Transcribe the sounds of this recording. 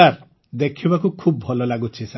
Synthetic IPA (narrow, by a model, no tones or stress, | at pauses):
aɾ | d̪ekʰibakukʰub̚bʱɔlɔlaɡut͡ʃʰisa